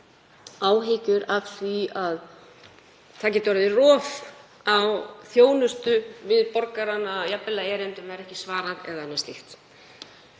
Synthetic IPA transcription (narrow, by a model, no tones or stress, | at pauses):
aːwɦɪcʏɾafθviað | t̪ʰaːc̬ɛːt̪vaɾðɪrɔːf | awθjoːwnʏst̪ʏvɪðpɔɾkaɾanajapːɪlaɛɾɛnt̪ɪmvɛɾɛhcɪ̥svaːɾaɾɛ̰ðanːɛ̥st̪ɪht̪